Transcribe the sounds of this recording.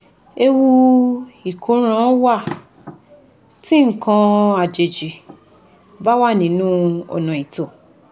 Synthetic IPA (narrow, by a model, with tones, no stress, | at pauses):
e˧wu˧ | i˨kʰo˨˦ɾ̃ã˦wa˦˨ | tĩ˦ŋ̩˦˨kã˧a˨d͡ʒe˨d͡ʒi˨ | ba˦wa˦˨nĩ˨˦nũ˦ɔ̰˨nɔ̃˨i˨to˨